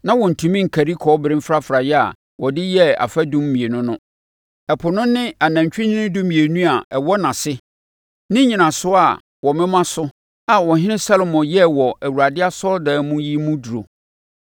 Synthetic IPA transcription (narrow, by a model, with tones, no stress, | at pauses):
nã˦wɔ̃˨n̩˨tʰũ˨mĩ˦ŋ̩˨kʰæ˨ɾi˦kʰɔ˨˦bɪ˨ɾɪ̃˦mfɾa˦fɾa˨jɛ˦a̰˨ | wʔɔ˨dɪ˦jɛ˦a̰˨fa˦dũ˦m˦mĩ˨e˨nʊ̃˦nʊ̃˦ | ɛ˨pʰʊ˨nʊ̃˦nɪ̃˦a˨nã˨ɲ˨t͡ɕᶣɪ˦nɪ̃˦nɪ̃˦dʊ˦mĩ˨e˨nũ˦a˨ʔɛ˨wɔ˦nã˨sɪ˦ | nɪ̃˦ɲĩ˨nã˨sʊ˦a˨ | wɔ˨mɪ̃˦mã˦sʊ˦ | a˨wɔ˨ɦɪ̃˦nɪ̃˦sa˦lo˨mɔ̃˨jɛ˦wɔ˨ʔæ˨wu˨ɾa˨dɪ˦a˦sɔ˦ldɛː˨˦mũ˦ji˦mũ˦du˨ɾo̰˨